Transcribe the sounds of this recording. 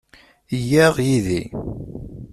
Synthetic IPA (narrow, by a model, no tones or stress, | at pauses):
jæʁjiði